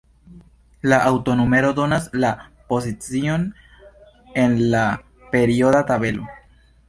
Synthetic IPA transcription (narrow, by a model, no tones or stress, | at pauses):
laʔawto̞nome̞ɾo̞do̞naslapo̞sit͡sio̞n | e̞nla | pe̞ɾio̞databe̞lo̞̰